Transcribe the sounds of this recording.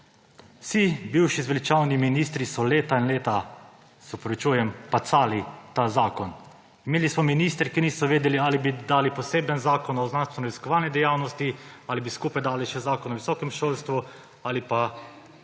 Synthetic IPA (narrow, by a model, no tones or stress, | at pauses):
wsibiwʃizʋɛlit͡ʃawniminiːst̪ɾisɔleːt̪ainleːt̪a | sɔpɾɔʋit͡ʃuːjɛmpat̪saːlit̪azaːkɔn | imeːlismɔminiːst̪ɾkiniːsɔʋeːd̪ɛlialibid̪aːlipɔseːbənzaːkɔnɔznanst̪ʋɛnɔiskɔʋaːlnid̪ɛjawnɔst̪ialibiskuːpajd̪aːliʃɛzaːkɔnɔʋisɔːkɛmʃoːlst̪ʋu | alipa